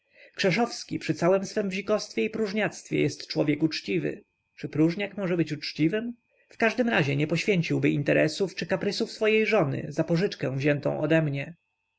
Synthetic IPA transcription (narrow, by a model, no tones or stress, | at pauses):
kʂɛʂɔfskʲipʂɘt̪sawɛmsfɛmvʑikɔst̪fʲjɛipɾuʐɲat̪st̪fʲjɛ̰jɛst̪t͡ʂwɔvʲjɛkut͡ʂt͡ɕivɘ̰ | t͡ʂɘpɾuʐɲakmɔʐɛbɘt͡ɕut͡ʂt͡ɕivɘm | fkaʐd̪ɘmɾaʑɛɲɛpɔɕfʲjeɲt͡ɕiwbɘint̪ɛɾɛsuft͡ʂɘkapɾɘsufsfɔjejʐɔnɘ̰zapɔʐɘt͡ʂkɛ̃w̃vʑɛnt̪ɔ̰̃w̃ʔɔd̪ɛmɲɛ